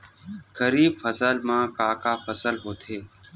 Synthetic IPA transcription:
kəɾiːbfʰəsəlmãːkaːkaːfʰəsəlɦoːt̪ʰeː

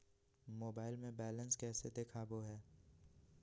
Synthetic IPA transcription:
moːbaːɪlmẽbɛːlə̃nskɛːsed̪eːkʰaboɦɛː

